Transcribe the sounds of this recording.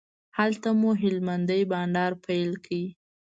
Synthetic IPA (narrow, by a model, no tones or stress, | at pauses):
halt̪amuɦɪlmand̪əjbɑɳɖɑɾpʰajlkʰawi